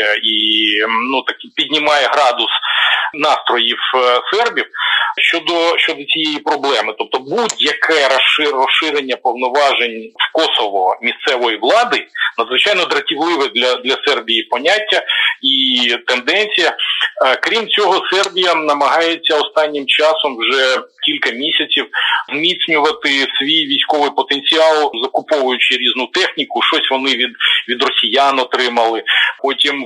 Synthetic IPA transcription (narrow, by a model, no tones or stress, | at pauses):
i | nut̪ɐkipʲidʲnʲɪmɑjɛɦɾɑd̪ʊsnɑst̪ɾɔjiwsɛrbʲiwʃt͡ʃɔd̪ɔʃt͡ʃɔd̪ɔt͡sʲijejipɾɔblˠɛmɪt̪ɔp̚t̪ɔbudʲjɐkʰɛɾɐʃɪrɔsɪɾenʲːɐpɔwnɔʋɑʒenʲfkɔsɔʋɔmʲist̪sɛʋɔjiʋlˠɑd̪ɪnɐd̪zʋɪt͡ʃɑjnɔd̪ɾɐtʲiʋlˠɪʋɛd̪lʲɐd̪lʲɐsɛrbʲijipɔnʲatʲːɐit̪end̪ɛnʲt͡sʲijɐkɾʲimt͡sʲɔɦɔsɛrbʲijɐnɐmɐɦɑjet͡sʲːɐɔst̪ɑnʲːɪmt͡ʃɑsɔmwʒɛkʲilʲkɐmʲisʲɐt͡sʲiwzmʲit̪sʲnʲʊʋɐt̪ɪsʲʋʲijʋʲijsʲkɔʋɪjpɔt̪enʲt͡sʲiɑlˠzɐkʊpɔʋʊjʊt͡ʃɪɾʲiznʊt̪ɛxnʲikʊʃt͡ʃɔsʲʋɔnɪʋʲid̪ʋʲid̪rɔsʲijanɔt̪ɾɪmɐlˠɪpɔtʲim